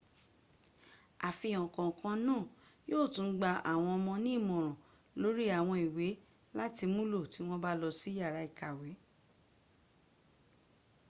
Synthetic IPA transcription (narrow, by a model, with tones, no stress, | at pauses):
a˨fi˧˨jɔ̃˨kɔ̃˨kã˧nãː˦˨joː˦˨tũ˨˦n̩˦ɡ͡ba˧a̰˨w̃ɔ̃˧ɔ˧mɔ̃˧nĩ˦i˦˨mɔ̃˨ɾ̃ɔ̃˨ | lo˨˦ɾi˦a˦˨w̃ɔ̃˧i˨we˨˦ | la˦ti˧mũ˦lo˦˨ti˨˦w̃ɔ̃˦ba˦lɔ˧si˦ja˦˨ɾa˨˦i˨ka˨we˨˦